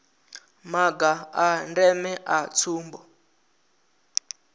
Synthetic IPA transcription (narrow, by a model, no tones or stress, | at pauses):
maɡaandɛmɛʔat͡sʰuːmbɔ